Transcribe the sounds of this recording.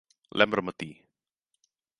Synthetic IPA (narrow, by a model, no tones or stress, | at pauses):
lʔɛmbɾəmət̪i